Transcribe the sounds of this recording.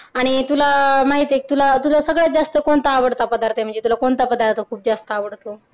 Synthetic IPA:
aɽ̃it̪ulamaɦit̪ek̚t̪ulat̪ulasəɡɭjad͡zast̪əkoɳt̪aːʋəɽt̪apəd̪aɾt̪em̤əɳd͡zet̪ulakoɳt̪apəd̪aɾt̪okʰuːp̚d͡zast̪əaʋəɽt̪o

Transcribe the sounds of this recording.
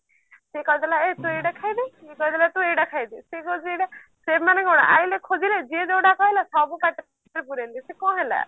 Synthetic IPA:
sekɔid̪alaet̪ũejɽakʰajd̪iekɔɦid̪alat̪ũejɖakʰajd̪isekod͡ʒiejɖa | semaneɡɔɽ̃a̰ʔailekʰod͡ʒiled͡ʒied͡ʒowɽakɔɦilasɔbukaʈ | ɾepuɾelisekɔ̃ɦela̰

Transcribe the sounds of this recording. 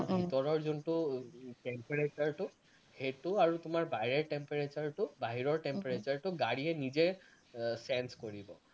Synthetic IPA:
bʱitɔɹɔɹzuntʊʈɛmpeɹet͡ʃaɹtʊ | hetʊaɹutʊmaɹbajɹeɹʈɛmpeɹet͡ʃaɹtʊbaɦiɹɔɹʈɛmpeɹet͡ʃaɹtʊɡaɹiɛnize | sɛnskoɹibɔ

